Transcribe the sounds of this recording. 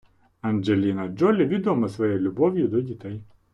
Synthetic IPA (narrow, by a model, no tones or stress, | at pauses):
ɐnd͡ʒelʲinɐd͡ʒɔlʲɪʋʲid̪ɔmɐsʋɔjɛjlʲʊbɔwjʊd̪ɔdʲit̪ɛj